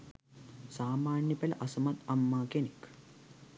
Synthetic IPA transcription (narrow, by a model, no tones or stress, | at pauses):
saːmaːnjɐpɐlɐ̰ʔɐsɐmɐt̪ɐmːaːkenik